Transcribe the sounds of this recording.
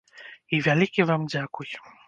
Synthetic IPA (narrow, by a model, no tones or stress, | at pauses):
ivʲalʲikʲivamd͡zʲakuj